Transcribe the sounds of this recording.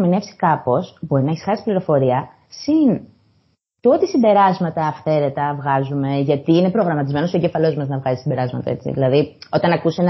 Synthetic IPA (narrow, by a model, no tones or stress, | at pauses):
mine̞fsi̥kɐpo̞sbo̞ɾinɐeçisxɐsi̥pliɾo̞fo̞ɾiɐ | sin | t̪uot̪isimbe̞ɾɐzmɐt̪ɐːfθe̞ɾe̞t̪ɐvɣɐzume̞ʝɐt̪iine̞pɾo̞ɣɾɐmɐt̪izme̞nosoeɲɟefɐlo̞zmɐznɐvɣɐzisimbe̞ɾɐzmɐt̪ɐ̰e̞t͡sḭðḭlɐðio̞t̪ɐnɐkusen